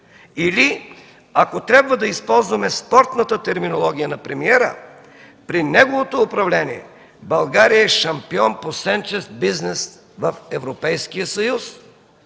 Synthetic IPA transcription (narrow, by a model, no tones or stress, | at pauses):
ili | akot̪ɾʲabvəd̪ɐispɔlˠzvɐmɛspɔɾt̪nət̪ət̪ɛɾminolˠɔɡ̟ʲijənɐpɾɛmiɛɾə̰ | pɾinɛɡovot̪oːpɾɐvlɛniɛ̰ | bɐlˠɡaɾijəɛʃɐmpiɔnposɛnt͡ʃɛst̪biznɛs | vɐfɛvɾopɛjskijəsɐjus